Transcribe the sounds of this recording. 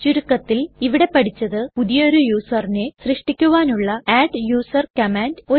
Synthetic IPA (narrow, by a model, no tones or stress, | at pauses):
t͡ɕuɾukːɐt̪ːiliʋiɽe̞pɐɽit͡ɕːɐðɨpuðijɐoɾujuːsɐrinesrɨʂʈikʲːuʋaːnuɭːɐaːɖjuːsɐrkɐmaːndo